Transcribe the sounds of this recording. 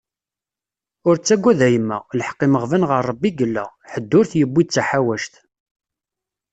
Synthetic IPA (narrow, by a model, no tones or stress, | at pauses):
ʊɾt͡sːæɡʷːæðæjəmːæ̰ləħqːiməʁvænʁəɾˤːəbːiɡəlːæ̰ħəd̪ːʊɾθjəbːid̪̚t͡sːaħawæʃt̪